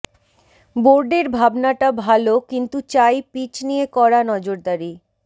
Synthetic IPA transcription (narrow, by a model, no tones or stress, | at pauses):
boɾɖeɾbʱabnaʈabʱalokint̪ut͡ɕajpit͡ɕnijekɔɾanɔd͡ʑoɾd̪aɾi